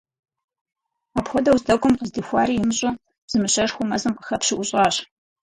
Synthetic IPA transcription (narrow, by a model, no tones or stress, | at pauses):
aːpxʷɔdɐwzdɐkʷʼʊmqəzdiːxʷɑ̰ːɾiːjɪmɨɕʼʊ̥ | z̥ɨmɨɕɐrxʷʊmɐzɨmqəxɐpɕɪʔʷʊɕʼɑːɕ